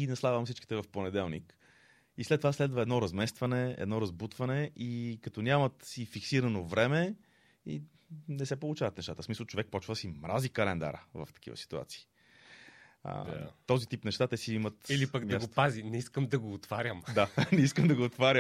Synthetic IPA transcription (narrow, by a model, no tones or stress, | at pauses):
ɡinɐslˠaɡvɐmsit͡ʃki̥t̪ɛvɐfponɛd̪ɛlˠnḭk | islɛt̪ːovaslɛd̪vəɛd̪nɔɾɐzmɛst̪vɐnɛɛ̰d̪nɔɾɐzbut̪vɐnɛʔikɐt̪ɔnʲamɐt̪sifiksiɾɐnovɾɛmɛ | ḭ | nɛsɛpolˠut͡ʃavɐət̪nɛʃt̪at̪əsmisəlˠt͡ʃovɛk̚pɔt͡ʃvəd̪əsimɾazikɐlɛnd̪a̰ɾə̰və̰ft̪ɐ̥kḭvə̰si̥t̪ua̰t̪si̥ː | ə̰t̪ɔzit̪ipnɛʃt̪at̪ɛsiimət̪ilipəɡd̪aɡ̪sopazinɛiskəmd̪ɐɡoːt̪vaɾʲjəmd̪anɛiskəmd̪ɐɡoːt̪vaɾʲə